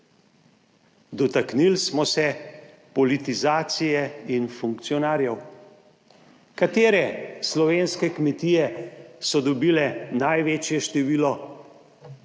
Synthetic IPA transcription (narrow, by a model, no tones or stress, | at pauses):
d̪ɔt̪aknilsmɔsɛ | pɔlit̪izaːt̪sijɛinfuŋkt̪sijɔnaːɾjɛw | kat̪eːɾɛslɔʋeːnskɛkmɛt̪iːjɛsɔd̪ɔbiːlɛnajʋeːt͡ʃjɛʃt̪ɛʋiːlɔ